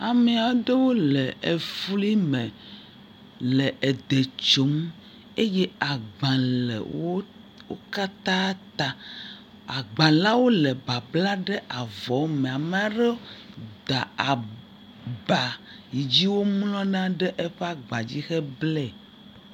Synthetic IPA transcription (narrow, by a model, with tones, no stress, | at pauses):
a˨me˨a˨˦ɖe˦wo˦lɛ˨e˨fli˦mɛ̃˨ | lɛ˨ʔɛ˨d̪e˨t͡ʃo˨˦m | e˦jɛ˦a˨ɡ͡bã˨lɛ̰˨wo˦ | wo˦ka˦t̪a˦t̪a˨ | a˨ɡ͡bã˨la˦wo˦lɛ˨ba˨bla˦ɖɛ˦ʔa˨vɔ˨˦mẽ˨a˨mẽ˦˨a˨ɖe˦d̪a˨a˨ | ba˨ | ji˨d͡ʑi˦wo˦mlɔ̃˦nã˦ɖɛ˦ʔe˦ɸe˦a˦ɡ͡ba˨d͡ʑi˦xɛ˦blɛ˦˨